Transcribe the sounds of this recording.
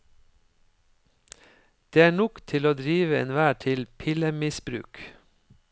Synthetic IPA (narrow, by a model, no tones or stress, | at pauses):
d̪̥eːæːɳɔkt̪ʰɪloːd̪ɾiːʋəḛːnʋæːʈʰɪlpʰɪləmɪsbɾʉ̰ːk